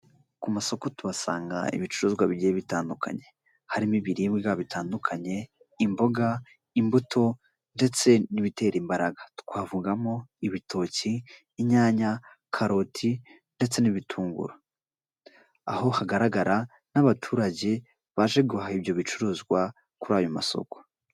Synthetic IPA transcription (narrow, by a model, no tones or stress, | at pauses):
kumaso̞ko̞tuβasa̰ːŋɡa̰ḭβit͡ʃuɾuːzɡwaβiɟieβitaːndukʰa̰ɲe̞ | haɾimiβiɾiβɡiɡaβitaːndukʰaɲe̞ | imbo̞ɡa | imbutʰo̞ | nde̞t͡se̞niβite̞ːɾimbaɾaɡḁtu̥kwaːvuɡamo̞iβitʰo̞ciː | ɲaːɲa | kʰaɾotʰi | nde̞t͡se̞niβitʰuːŋɡṵɾa | a̰ho̞haɡaɾaɡaɾa | naβatʰuːɾaɟe̞ | βaʒe̞ɡuhaiβjo̞βit͡ʃuɾuːzɡwa | kuɾaːjomaso̞̰ko̥